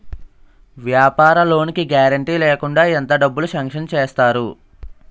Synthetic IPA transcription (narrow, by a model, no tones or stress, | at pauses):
ʋjaːpaːɾɐlo̞ːnikiɡaːɾɐɳʈiːleːkuɳɖaːent̪ɐɖɐbːuluʃɐŋkʂɐnt͡ʃeːst̪aːɾu